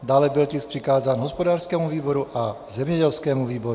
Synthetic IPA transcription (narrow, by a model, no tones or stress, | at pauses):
d̪aːlɛbilcisprikaːzaːnɦɔspɔd̪aːɾskɛːmuʋiːbɔɾuʔa | zɛmɲɛɟɛlskɛːmuʋiːbɔɾu